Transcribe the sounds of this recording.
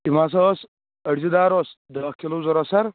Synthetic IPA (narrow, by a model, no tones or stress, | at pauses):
imaːs̬ɐos | ɐɽzid̪aːɾosd̪ɐkʲʰilozɐɾɐsɐɾ